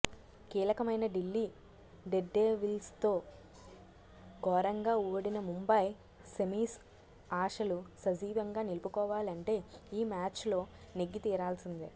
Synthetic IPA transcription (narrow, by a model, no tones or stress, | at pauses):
kiːlɐkɐmɐjnɐɖilːiː | ɖeɖːeːʋilst̪o̞ː | ɡɔːɾɐŋɡaːuːɽinɐmumbɐj | semiːs | aːʂɐlusɐd͡ʒiːʋɐŋɡaːnilupukɔːʋaːlɐɳʈe̞ːiːmaːt͡ʃlo̞ː | neɡːit̪iːɾaːlsind̪i